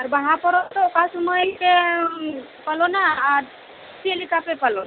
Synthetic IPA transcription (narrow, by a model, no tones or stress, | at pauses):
aɾbaɦãpɔɾɔt̪ɔkasuməjke | pəlonaːɾ | sielikapepəlon